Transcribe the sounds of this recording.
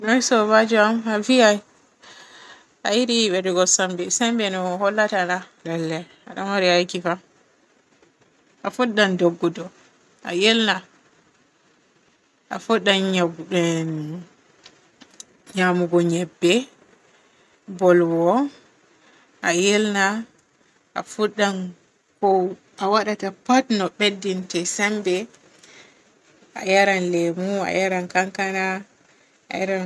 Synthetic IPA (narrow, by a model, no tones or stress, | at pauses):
nɔjsɔβad͡ʒuamaviaj | ʔajiɾiɓɛɾiɡɔsambɛsɛmbɛnɔhɔlːatanalalːɛ | aɗamaɾiajkifa | ʔafuɗːandɔɡːɔdɔ | ʔa̰jelna | ʔafuɗːanɲaɡɛ | ɲamuɡɔɲɛbːɛ | bɔlwɔ | ʔajelna | ʔafuɗːan | kɔ | ʔawaɗatapatnɔɓedːintɛsambɛ | ʔa̰jaɾanlɛmua̰jaɾankaŋkana | a̰jaɾan